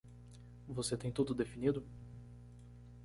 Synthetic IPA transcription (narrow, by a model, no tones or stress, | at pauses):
voset̪ẽj̃t̪ud̪ʊd̪efinid̪ʊ